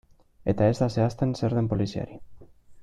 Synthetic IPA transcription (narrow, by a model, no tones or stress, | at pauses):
et̪aest̪aseast̪enseɾðempolisja̰ɾi